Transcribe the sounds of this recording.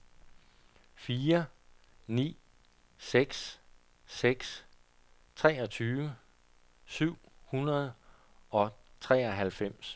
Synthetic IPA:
fiːɐ | nḭː | seɡ̥s | seɡ̥s | t͡sʰʁɛːɒ̽t͡sʰyːʋə | syʊ̰hunɐð̞ˠ | ɒ̽t͡sʰʁɛːɒɦælfem̰s

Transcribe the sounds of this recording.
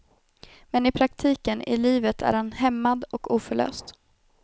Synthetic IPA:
mɛnɪpʰɾak̚t̪ʰiːkənʔɪ̰liːvət̪ʰæ̰ɾhanɦɛmːad̪ɔkuːfœɭø̰ːst̪

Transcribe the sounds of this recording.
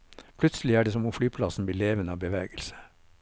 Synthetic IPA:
pʰlʉt̪səlɪæːɖeːsɔmʊflyːpʰlɑsn̩bliːleːʋənəɑːʋbəʋḛːɡəlsə̥

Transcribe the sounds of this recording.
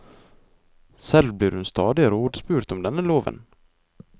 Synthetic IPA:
sɛlblɪːɾhɵnst̪ɑːd̪ɪəɾuːɖspʉːɾt̪ɔmd̪ɛnːæɭoːvə̰n

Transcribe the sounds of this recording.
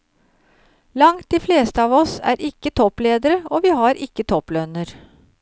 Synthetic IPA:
lɑŋt̪̚d̪iːfleːst̪əɑːʋɔsæ̰ːɾʔɪkːət̪ʰɔpleːd̪əɾəoːʋiːhɑɾʔɪkːət̪ʰɔplœnəɾ

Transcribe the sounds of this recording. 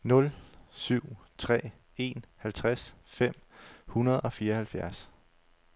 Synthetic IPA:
nɔ̽lsyʊ̰t͡sʰʁɛ̰ː | e̝nhælt͡sʰʁas | fem̰hunɐðˠɒ̽fiːɐhælfjæɐs

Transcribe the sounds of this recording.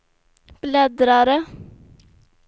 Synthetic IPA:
b̥lɛd̪ɾɑɾə

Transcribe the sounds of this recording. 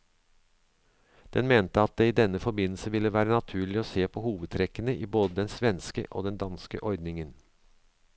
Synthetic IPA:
d̪̥ɛnmeːnt̪əɑt̪̚d̪eːiːd̪ɛnːəfɔɾbɪnl̩səʋɪlːəʋæːɾənɑt̪ʰʉːɭɪoːseːpʰohuːʋəd̪̚t̪ʰɾɛkːənəʔiːboːd̪əd̪ɛnsʋɛnskə̰ʔo̰ːd̪ɛnd̪ɑnskə̰ʔɔɾd̪nɪŋən

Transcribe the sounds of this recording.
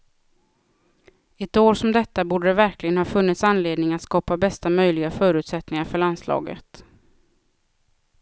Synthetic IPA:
ɛt̪oːɾʂɔmd̪ɛt̪ːabuːɖəd̪ɛvæɾklɪɡənhɑːfɵnːɪt̪sanleːd̪nɪŋat̪skɑːpabɛst̪amœjlɪɡafœːɾʉ̟ːt̪sɛt̪nɪŋaɾfœɭanslɑ̰ːɡə̰t̪

